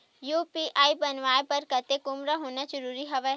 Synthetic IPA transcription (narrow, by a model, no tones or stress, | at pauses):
juːpiːʔaːibɐnʋaːepɐɾkɐt̪ekʊmɾaɦoːnazəɾuːɾiɦɐʋɛ